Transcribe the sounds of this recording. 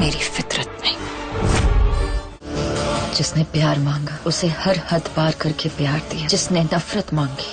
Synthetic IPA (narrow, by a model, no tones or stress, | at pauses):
meːɾifɪt̪ɾət̪̚nɐɦĩ | d͡ʒɪsnepjaːɾmãːŋɡaːʊsehɐɾhɐd̪baːɾkɐɾkepjaːɾd̪ijad͡ʒɪsnenɐfɾət̪mãːŋɡiː